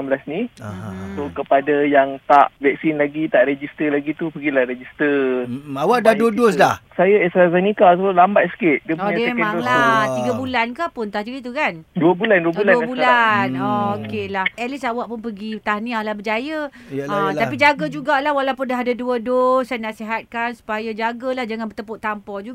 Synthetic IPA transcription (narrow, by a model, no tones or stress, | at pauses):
mbəlasni | sokəpadajaŋt̪aʔvɛk̚sinlaɡit̪aʔɾed͡ʒist̪əlaɡit̪upəɡilahɾed͡ʒist̪əawaʔdaduədosdahsajəɛst̪ɾazenikasolambat̪̚sə̥kɪt̪diəpoəemaŋlat̪iɡəbulankahpʊnt̪ahd͡ʒuɡit̪ukanduəbulanduədulanəbullanokelahɛlisawaʔpʊnpəɡit̪anĩahlahbəd͡ʒajəəapid͡ʒaɡəd͡ʒuɡalahwalawpʊndaɦadaduədosajnaʔsiɦat̪̚kansu̥pajad͡ʒaɡəlahd͡ʒaŋanbət̪əpʊt̪ampɔd͡ʒuɡ